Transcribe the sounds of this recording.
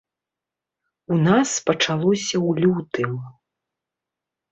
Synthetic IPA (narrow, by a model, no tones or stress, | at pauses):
unaspɐt͡ʂalˠɔsʲɐwlʲut̪ɨmɐ